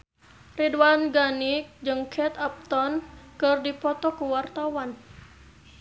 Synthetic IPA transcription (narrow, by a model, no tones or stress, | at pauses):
ridwanɡanikd͡ʒɨŋkʰɛt̪ap̚t̪ɔnkɨrdipɔt̪ɔkuwart̪awan